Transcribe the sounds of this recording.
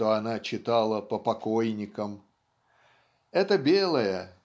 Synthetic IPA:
t̪oɐnat͡ɕɪt̪alˠəpəpɐkojnʲɪkəm | ɛt̪əbʲelˠəjə

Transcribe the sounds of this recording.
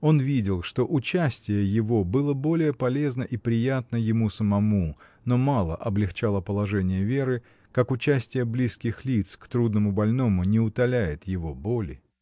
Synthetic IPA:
o̞nvʲidʲɪlˠʂt̪o̞ʔʊt͡ɕæsʲtʲɪjəjɪvo̞bɨlˠəbo̞lʲɪjəpɐlʲe̞znəʔipɾʲɪjat̪̚nəjɪmusəmɐmu | no̞malˠə̰ʔɐblʲɪxt͡ɕalˠəpəlˠɐʐɛnʲɪjəvʲe̞ɾɨ | kakʊt͡ɕæsʲtʲɪjəblʲiskʲɪxlʲit̪skt̪ɾud̪nəmʊbɐlʲno̞mʊnʲɪʊt̪ɐlʲæjɪt̪jɪvo̞bolʲɪ̰

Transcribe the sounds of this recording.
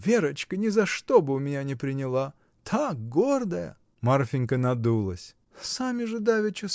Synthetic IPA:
vʲe̞ɾət͡ɕkənʲɪzɐʂt̪obɨʊmʲɪnʲanʲɪpɾʲɪnʲɪlˠa | t̪ʰak̚ɡord̪əjə̰ | marfʲɪnʲkənɐd̪ulˠə̰sʲ | samʲɪʐɨd̪avʲɪt͡ɕʊ

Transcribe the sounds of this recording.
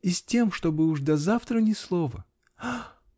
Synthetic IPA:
ɪsʲtʲe̞mʂt̪obɨʊʐd̪ɐzaft̪ɾənʲɪslˠovə̰

